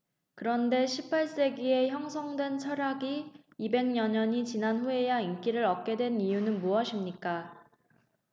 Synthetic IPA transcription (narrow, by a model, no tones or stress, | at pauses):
kɯɾʌnde̞ɕʰipʰaɭs͈e̞ɡie̞çjʌŋsʰʌŋdwe̞nt͡ɕʰʌɾjaɡiː | be̞ŋɲʌɲʌɲit͡ɕinanɸue̞jaink͈iɾɯɾʌk̚k͈e̞dwe̞nijunɯnmuʌɕʰimɲik͈a